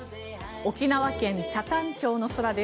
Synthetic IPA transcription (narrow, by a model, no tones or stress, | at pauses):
o̞kʲinaβakẽ̞ɲ̟t͡ɕat̪ãɲ̟t͡ɕo̞ːno̞so̞ɾad̪e